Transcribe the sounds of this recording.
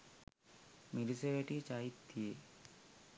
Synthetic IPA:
miɾiseʋeʈit͡ʃaːɦit̪ːije

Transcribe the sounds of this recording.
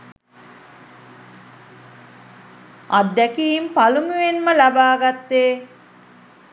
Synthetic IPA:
ad̪ːækiːmpalumuenməlabaːɡat̪ːeː

